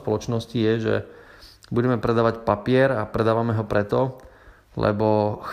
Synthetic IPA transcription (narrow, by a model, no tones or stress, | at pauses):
pɔlɔt͡ʃnɔscijɛʒɛ̰ | buɟɛmɛpɾɛd̪aːʋacpapɪɛɾapɾɛd̪aːʋamɛɦɔpɾɛt̪ɔ | lɛ̰bɔx